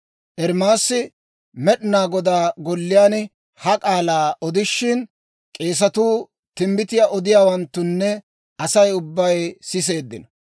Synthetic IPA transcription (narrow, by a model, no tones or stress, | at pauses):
ʔɛɾmaːsːɪ | mɛɗɪnaːɡɔd̪aːɡɔlːɪjaːn | hɐkʼaːlaːʔɔd̪ɪʃːɪn | kʼe̞ːs̬ɐt̪uː | t̪ɪmbɪt̪ɪjaːʔɔd̪ɪjaːwɐnt̪ːʊnːɛ | ʔɐsɐjʊbːɐjsɪs̬e̞ːd̪ːɪ̰nɐ